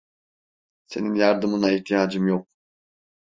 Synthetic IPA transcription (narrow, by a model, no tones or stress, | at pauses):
se̞ninjaɾd̪ɯmɯnaiht̪ʰijaːd͡ʒɯmjok̚